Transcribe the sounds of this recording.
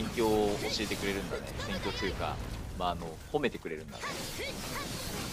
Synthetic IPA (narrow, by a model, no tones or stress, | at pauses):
ẽŋkʲo̞ːoɕie̞t̪e̞kɯ̟ɾe̞ɾɯ̟̃nd̪anesẽ̞ŋkʲo̞ːt̪ɨɯ̟ka̰maːno̞ | ho̞me̞t̪e̞kɯ̟ɾe̞ɾɯ̟nd̪a̰t̪e